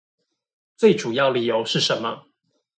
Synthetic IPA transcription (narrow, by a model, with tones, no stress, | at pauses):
t͡swe˥˨˩ɪʈ͡ʂu˨˩jɑ˥˩ʊli˨˩jo˧˦ʊʂɻ̩˥˩ʂə˧˦nmə̰˦